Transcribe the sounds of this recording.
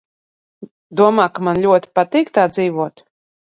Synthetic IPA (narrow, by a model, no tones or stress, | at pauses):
d̪uɔmaːkamanlʲuɔt̪i̥pat̪iːkt̪aːd̪ziːvuɔt̪